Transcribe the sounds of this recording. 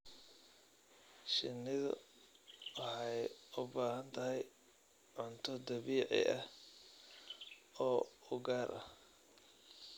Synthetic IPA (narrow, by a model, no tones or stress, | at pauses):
ʃɪnːɪðʊ̰ | wɑħɑjʊbaːhɐnt̪ʰɐɦɛj | ʕʊnt̪ʰɔd̪ɐβiːʕɪ̰ʔɐh | ɔːʊɡaːɾʔɐ